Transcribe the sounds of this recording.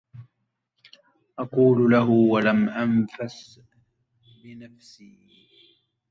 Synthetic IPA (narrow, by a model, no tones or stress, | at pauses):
ʔaquːllaɦʊwalamʔanfas | bɪnafsiː